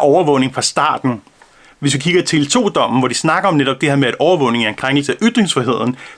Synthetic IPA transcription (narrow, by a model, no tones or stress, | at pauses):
ɒʊɐʋɔ̽ʊne̝ŋfʁɑ̈sd̥ɑ̰̈ːd̥n̩ | ʋe̝sʋikʰiɡ̥ɐt͡sʰe̝lt͡sʰo̝̰ːd̥ɒ̽m̰n̩ʋɒd̥isnɑ̈ɡ̥ɐɒ̽mneɾɒ̽b̥d̥e̝hɛɐmeæɾ̥ʔɒʊɐʋɔ̽ʊne̝ŋæenkʰʁaŋ̰ɡl̩səæʔyd̥ʁeŋsfʁiɦe̝ð̰ˠn̩